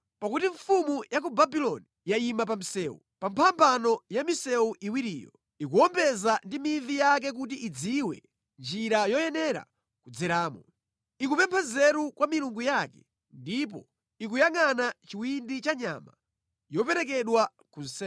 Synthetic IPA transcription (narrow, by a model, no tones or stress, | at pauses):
pakutiɱfumujak̬ubabilɔnijajimap̬am̩sɛːṵpampʰampʰanɔjamisɛuʔiwiɾḭːjɔ̰ | ik̬uɔmbɛzandimivijak̬ɛk̬ut̬iʔid͡ziwɛ̰ | nd͡ʒiɾajɔjɛnɛɾa̰ | kud͡zɛɾaːmɔ | ikupɛmpʰɛzɛɾukwʔamiluŋɡujakɛ | ndip̬ɔ̰ | ik̬ujaŋanat͡ʃiwindit͡ʃaɲa̰ma̰ | jɔp̬ɛɾɛk̬ɛɗwa | kun̩sɛ